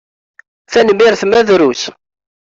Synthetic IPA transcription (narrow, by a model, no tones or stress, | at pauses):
θænmiɾθmæðɾus